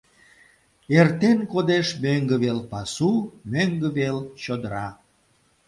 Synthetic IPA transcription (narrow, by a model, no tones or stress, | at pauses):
ert̪enkod̪eʃmøŋɡəβelpɑsumøŋɡəβelt͡ɕod̪əɾɑ